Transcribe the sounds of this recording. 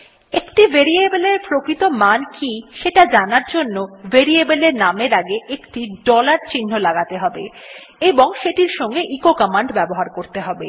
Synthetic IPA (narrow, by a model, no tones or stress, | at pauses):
ekʈivʱeɾiebeleɾpɾokɾit̪omankiʃeʈad͡ʑanaɾd͡ʑonːoveɾiebeleɾnameɾaɡeʔekʈiɖɔlaɾt͡ɕinːolaɡat̪eɦɔbe | eboŋʃeʈiɾʃɔŋɡeʔikokamaɳɖbɛboɦaɾkoɾt̪eɦɔbe